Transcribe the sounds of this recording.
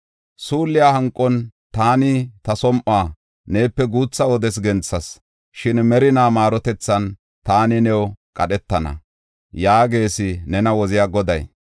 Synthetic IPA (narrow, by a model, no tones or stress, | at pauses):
suːlːɪjahɐŋkʼːɔnt̪aːnɪt̪ɐsɔmʔaː | ne̞ːpːɛɡuːt͡sːɐɔd̪ɛs̬ɡɛnt͡sːɐs | ʃɪnmɛɾɪnaːmaːɾɔt̪ɛt͡sːɐn | t̪aːnɪnɛwkʼɐɗɛt̪ːɐnɐ̰ | jaːɡe̞ːsɪnɛnɐwɔzɪjaːɡɔd̪ɐj